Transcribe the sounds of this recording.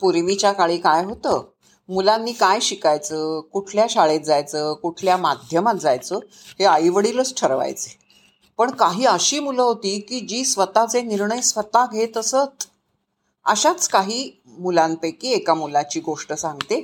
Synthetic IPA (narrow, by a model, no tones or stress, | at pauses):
puɾʋit͡ɕjakaɭiːkajɦot̪əː | mulanːiːkajɕikajt͡səːkuʈʰljaɕaɭet̪̚d͡zajt͡səːkuʈʰljamad̪ʱjəmat̪̚d͡zajt͡səː | heajʋəɽiːlət͡sʈʰəɾʋa̰jt͡se̥ | pəɳkaɦiːəɕiːmuləɦot̪iːkiːd͡ʑiːsʋət̪at͡seniɾɳəjsʋət̪aɡʱet̪əsət̪ | ə̰ɕat͡skaɦiː | mulãnt̪əkiːekamulat͡ɕiːɡoʂʈəsãŋɡt̪e